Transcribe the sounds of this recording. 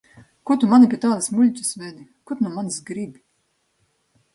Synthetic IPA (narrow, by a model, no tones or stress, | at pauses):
kut̪umanipʲiɛt̪aːd̪asmulʲt͡ɕʲɨsvɛd̪ikut̪numansɡɾibʲi